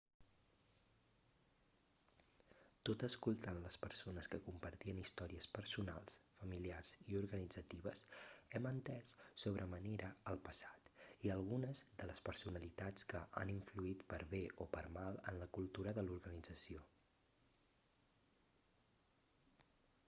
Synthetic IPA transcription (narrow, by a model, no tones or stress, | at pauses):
t̪ot̪əskulˠt̪anləspəɾsonəskəkumpəɾt̪iənist̪ɔɾiəspəɾsuna̰lˠsfəmiliarz̥iuɾɣənid͡zət̪iβ̞əsɛmənt̪ɛssoβ̞ɾʔəməneɾʔəːlˠpəsḁt̪iəlˠɣunəzðələspəɾsunəlit̪at͡skəʔa̰niɱfluit̪pəɾβeʔopəɾmalˠənləkulˠt̪uɾəðəluɾɣənid͡zəsio